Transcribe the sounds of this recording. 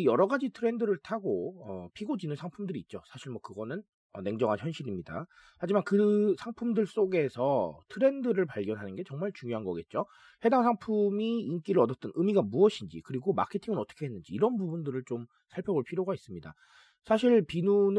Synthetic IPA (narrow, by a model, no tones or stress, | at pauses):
jʌɾʌɡad͡ʑitʰɯɾe̞ndɯɾɯɭtʰaɡoʌpʰiɡod͡ʑinɯnsʰaŋpʰumdɯɾiːt̚t͡ɕ͈osʰaɕʰiɭmwʌkɯɡʌnɯn | ʌ̰ne̞ŋd͡ʑʌŋɦançjʌnɕʰiɾimɲida̰ | had͡ʑimankɯsʰaŋpʰumdɯɭs͈oɡe̞sʰʌtʰɯɾe̞ndɯɾɯɭpaɭɡjʌnɦanɯnɡe̞t͡ɕʌŋmaɭt͡ɕuŋjoɦanɡʌ̰ɡe̞t̚t͡ɕ͈o | he̞daŋsʰaŋpʰumiink͈iɾɯɭʌdʌt͈ɯnʔɯmiɡamuʌɕʰind͡ʑḭkɯɾiɡoma̰kʰe̞tʰiŋɯnʌt͈ʰʌ̥kʰe̞ɦenːɯnd͡ʑiːɾʌnbubundɯɾɯɭt͡ɕom | sʰaɭpʰjʌboɭpʰiɾjoɡais͈ɯmɲida̰ | sʰaɕ̬ʰiɭpinun